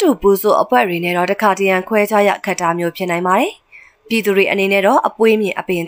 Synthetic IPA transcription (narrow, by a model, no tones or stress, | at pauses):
tupuzo̰ʔəpʰwɛ̰dwenɛ̰dɔtəkʰatəjãŋkʰwɛd͡ʑajä̰kʰaʔtːamjopʰjɪnãɪ̃mbaɾɛ | pjid̪uɾweʔənenɛ̰dɔʔəpwemjɪ̃ʔəpẽ